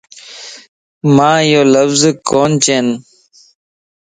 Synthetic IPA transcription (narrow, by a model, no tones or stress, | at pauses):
mãːjoːləfzkoːnt͡ɕeːn